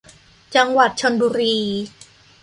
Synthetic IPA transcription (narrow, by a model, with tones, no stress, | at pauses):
t͡ɕa˧ŋwa˨˩t̪̚t͡ɕʰo˧nbuː˧ɾiː˧